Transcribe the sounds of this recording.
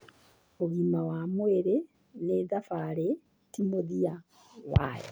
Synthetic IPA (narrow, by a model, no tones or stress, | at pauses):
muɣimawamweɾe | neðafaɾe | timoðia | wa̰jḛ